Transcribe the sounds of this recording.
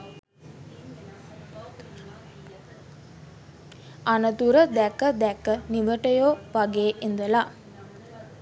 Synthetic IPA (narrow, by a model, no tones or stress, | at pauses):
anət̪uɾəd̪ækəd̪ækəniʋəʈəjoːʋaɡeːʔind̪əla